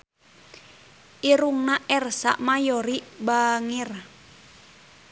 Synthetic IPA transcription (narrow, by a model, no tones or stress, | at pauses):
ʔiɾuŋnaʔɛrsa̰ʔmajɔɾibaŋir